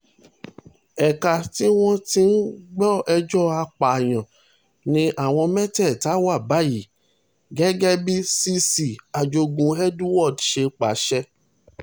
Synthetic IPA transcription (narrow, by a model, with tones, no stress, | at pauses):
ɛ˨ka˨ti˦w̃ɔ̃˦ti˧˦n̩˦ɡ͡bɔ˦ɛ˧d͡ʒɔ˦a˧k͡pa˨j̃ã˨ | nĩ˧ʔa˦˨w̃ɔ̃˧mɛ̃˦tɛ˦˨ta˨˦wa˦˨ba˨˦ji˨ | ɡɛ˦ɡɛ˦bi˦si˧si˨a˨d͡ʒo˧ɡũ˧ɛ˦du˦wɔ˦˨dʃe˧k͡pa˨˦ʃɛ˧